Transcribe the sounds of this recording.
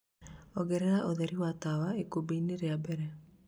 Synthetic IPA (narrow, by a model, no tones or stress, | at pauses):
oɡeɾeɾaʔoðeɾiwat̪awaekubinːeɾeabeɾɛ